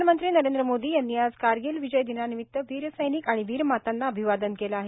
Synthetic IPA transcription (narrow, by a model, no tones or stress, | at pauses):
mənt̪ɾiːnəɾend̪ɾəmod̪iːjanːiad͡zkaɾɡilʋid͡ʑəjd̪inanimit̪ːəʋiːɾəsəjnikaɽ̃iʋiːɾmat̪anːaəbʱiʋad̪ənkelaaɦe